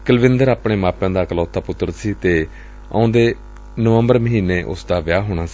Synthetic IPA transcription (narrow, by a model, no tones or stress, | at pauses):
kəlʋɪ̃nd̪əɾaːpɳeːmaːpãːd̪aːkəlɔːt̪ʰːaːpʊt̪ːəɾsiːt̪eː | ã̰õːnd̪eː | nəʋəmbəɾməɦiːneːʔʊ̰sd̪aːʋɪjaːɦoːɽ̃aːsiː